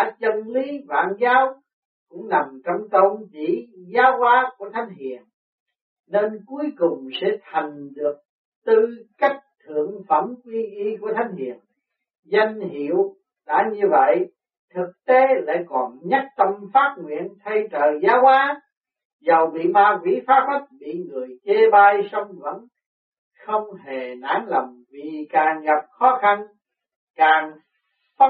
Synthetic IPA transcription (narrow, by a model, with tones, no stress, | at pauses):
aː˧˩t͡ɕə˧nli˨˦va̰ː˧˨nzaː˨˦w | kʊ̰˧˥ŋ͡mna˨˩mt͡ɕɔ˧wŋ͡mt̪ə˧wnt͡ɕi˧˩zaː˨˦wʔaː˨˦ku˧˩ət̪ʰa˨˦jŋ̟ɦḭ˧˨ən | ne˧nku˨˦˥əjkʊ˨˩ŋ͡msɛ̰˧˥t̪ʰa˨˩jŋ̟ɗɨ˨˩ək̚ | t̪ɨ˧ka˦˥jk̟̚t̪ʰɨ̰˧˨əŋfə˧˩mkwi˧ʔi˧ku˧˩ət̪ʰa˨˦jŋ̟hḭ˧˨ən | zə˧jŋɦi˧˨əw | la̰ː˧˥ɲɨ˧və̰˧˨j | t̪ʰɨ˨˩k̚t̪e˨˦la̰ː˧˨kɔ˨˩nɲa˦˥t̚t̪ə˧ŋ͡mfaː˦˥t̚ŋwḭ˧˨ənt̪ʰə˧jt͡ɕəː˨˩zaː˨˦waː˨˦ | zə˨˩wɓḭ˧˨maː˧kwḭ˧˥faː˦˥p̚hə˦˥t̚ɓḭ˧˨ŋɨ˨˩əjt͡ɕe˧ɓaː˧jsə˧wŋ͡mvə̰˧˥n | xə˧wŋ͡mhe˨˩na̰ː˧˥nlə˨˩wŋ͡mvi˨˩kaː˨˩ŋɣa˨˩p̚xɔ˨˦xa˧n | kaː˨˩ŋ | fə˦